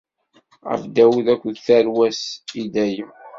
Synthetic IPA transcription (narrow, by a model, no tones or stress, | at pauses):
ʁə̰fd̪æwuðækʷːðθæɾwæsid̪æji